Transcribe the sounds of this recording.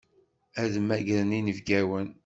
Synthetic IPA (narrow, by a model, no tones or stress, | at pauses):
æðəmːæɡɾəninəvɡæwən